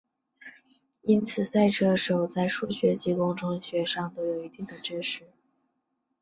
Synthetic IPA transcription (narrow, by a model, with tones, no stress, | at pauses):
i˥nt͡sʰɹ̩˨˩sa˥˩ɪʈ͡ʂʰɤ˥ʂo˨˩ʊt͡sa˥˧ɪʂu˥˩ɕɥɛ˧˥t͡ɕi˧˥kʊ˥ŋʈ͡ʂʊ˥ŋɕɥɛ˧˥ʂɑ˥˩ŋt̪o˥ʊjo˨˩ʊi˧˥t̪i˥˩ŋd̪ə˩ʈ͡ʂɻ̩˥ʂɻ̩˥˩